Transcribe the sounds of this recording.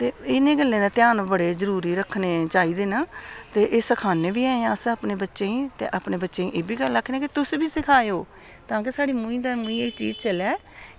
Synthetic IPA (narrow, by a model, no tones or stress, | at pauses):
t̪eːɪnẽːɡəlːẽːd̪aːt̪jaːnbəɽeːzəɾuːɾiːɾəkʰːneːt͡ʃaːiːd̪eːnaːt̪eːʔeːsəkʰaːneːbiːaːeãəsaːpneːbətːʃeːĩːt̪ḛːʔaːpneːbətːʃeːḭ̃ʔeːbiːɡəlːakʰːenãːkɪt̪ʊsbiːsɪkʰaːeoː | t̪ãːk̬esaːɽiːmũːĩːd̪aːmũĩːet͡ʃḭːzt͡ʃəlɛː